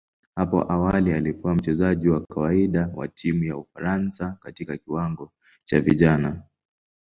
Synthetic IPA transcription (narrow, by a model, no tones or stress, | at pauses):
hapɔ̰ʔawalialipɛwam̩t͡ʃɛzaʄiwakʰawaiɗawa̰tʰimujaufaɾansakatikakiwaŋɡɔ | t͡ʃaviʄana